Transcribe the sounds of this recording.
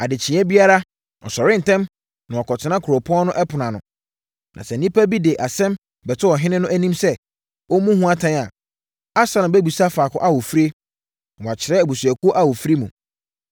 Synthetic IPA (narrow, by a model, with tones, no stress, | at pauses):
a˨dɪ˨t͡ɕʰĩ˨˦ɛ˦bi˦a˦ɾa˦ | ɔ̰˨sɔ˨ɾɪ̃˦n̩˨tʰɛ̃˦m | nã˨ɔ˨kʰɔ˨tʰɪ˨nã˦kʰʊ˨ɾo˨pʰʊ˦ɔ̃˦nʊ̃˦ʔɛ˦pʰʊ˨nã˨nʊ̃˨ | nã˨sɛ˨nĩ˦pʰæ˦bi˦de˨ʔa˨sɛ̃˦m | bɛ˨tʰʊ˦wɔ˨ɦɪ̃˦nɪ̃˦nʊ̃˦ʔæ˦nĩ˦msɛ˦ | wɔ˦mũ˦hũ˦a˦tʰã˦n˨a˨ | a˦sa˦nã˨bæ˦bu˨sa˦faː˨kʰʊ̰̃˦ʔa˦wo˨fɾe˦ | nã˨wɔ˨a˨t͡ɕʰɪ˨ɾɛ˦æ˨bu˨su˨ɛ˨ku˦o˦ʔa˦wo˨fɾi˦mṵ̃˨